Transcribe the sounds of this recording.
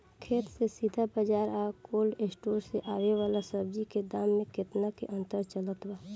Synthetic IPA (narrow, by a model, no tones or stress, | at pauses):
kʰeːt̪sesid̪ʱabəd͡ʒaːɾaːkoːlɖeːsʈoːɾseʔaːweʋaːlasəb̚d͡ʒiked̪aːmːẽkɪt̪nakḛʔə̃nt̪əɾt͡ʃələt̪waː